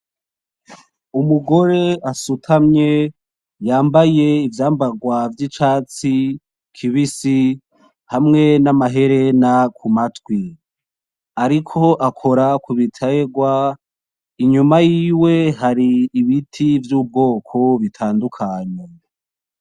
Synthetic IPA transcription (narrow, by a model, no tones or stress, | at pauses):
umuɡo̞ɾe̞asutʰamɲe̞ | jaːmbaje̞ivjaːmbaɡwavjit͡ʃaːt͡si | kʰiβisi | hamŋe̞namaɦe̞ɾe̞nakʰumatwi | aɾikʰo̞ʔakʰo̞ɾakuβitʰaeɡwa | iɲumajiːwe̞ɦaɾiːβitʰivjuːb̚ɡo̞ːkʰo̞βitʰaːndukʰaɲe